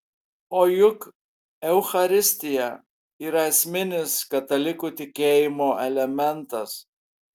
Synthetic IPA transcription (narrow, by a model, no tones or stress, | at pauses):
oːjʊk | ɛʊxɐɾʲɪsʲt̪ʲɪjɛ | iːɾɐɛsʲmʲɪnʲɪskɐt̪ɐlʲɪkut̪ʲɪkʲeːjɪmoːʔɛlʲɛmʲɛnt̪ɐs